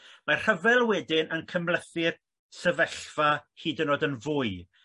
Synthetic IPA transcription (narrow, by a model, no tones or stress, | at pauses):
marr̥əvɛlˠwɛdɪnənkʰəmlˠəθɪr | səvɛɬfahiːdənoːdənvʊɨ